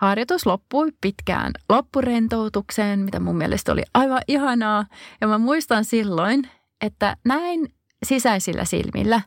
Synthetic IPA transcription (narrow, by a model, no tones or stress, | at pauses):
hɑrjot̪uslopːuipit̪kæ̰ːnlopːurent̪out̪ukseːnmit̪æmumːiɛ̰lʔest̪o̰lḭʔɑiʋɑʔihɑnɑːjɑmæmuist̪ɑnsilːoin | ʔet̪ːænæin | sisæisilːæ̰sḭlmḭlːæ